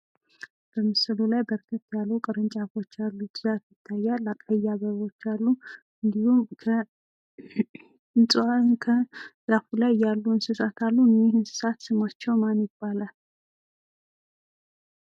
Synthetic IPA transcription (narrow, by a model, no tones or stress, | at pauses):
b̥əmɨsɨlulajbəɾɡət̪ʼjalːukʼɨɾɨnt͡ʃʼafo̞t͡ʃːalːud͡ʒzafjɪt̪ʰːajːalakʼajːaβəβo̞t͡ʃːalːu | ɨnd̪ihumkʰə | ɨnsʼankʰəz̥afulajjalːuɨnsɨsat̪ʰalːunihɨnsɨ̥sat̪sɨmat͡ʃːɛwmanjɪb̥ːalal